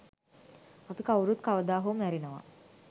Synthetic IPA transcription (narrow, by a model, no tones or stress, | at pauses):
at̪ukawuɾut̪̚kaʋəd̪aːɦumæɾinəʋa̰